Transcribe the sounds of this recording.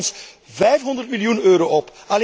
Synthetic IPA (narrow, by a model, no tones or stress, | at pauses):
ns | vɛjfɦɔnd̪ərtmiljunøːɾoːʔɔp | al